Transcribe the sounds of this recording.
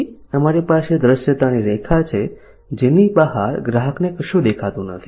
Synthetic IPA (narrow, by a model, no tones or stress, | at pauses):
əmaɾipaʃed̪ɾəʃjət̪aniɾekʰat͡ʃʰe | d͡ʒenibəɦaɾɡɾaɦəknekəʃũd̪ekʰat̪ũnə̰t̪ʰi